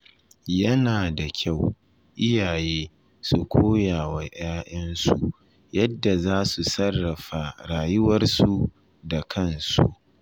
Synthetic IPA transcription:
jɐ˦naː˨da˨kʲʰa˦˨w | ʔɪ˦jaː˨jeː˦ | su˨kʷʰoː˦jaː˨wa˨ʔaː˦ʔɐ˦nsu˨ | jɐ˦dːa˨zaː˦su˨sɐ˦rːɐ˨ɸa˨ɽaː˨jʊ˦wɐ˦rsu˨ | da˨kʰɐ˦˨nsṵ˦ʔ

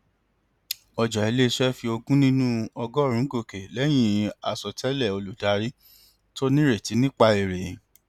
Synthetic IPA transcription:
ɔ˧d͡ʒɔ˨i˨le˦˧ʃɛ˦fi˧o˧ɡũ˦nĩ˦nũ˦ɔ˧ɡɔ˦˨ɾ̃ũ˨˦ɡo˧˨ke˨lɛ˨˦j̃ĩ˨˧a˨sɔ˨tʰɛ˦lɛ˦˨o˧lu˨da˨˦ɾi˦ | to˦nĩ˦ɾe˦˨ti˨˦nĩ˦k͡pa˧e˨ɾe˨˦

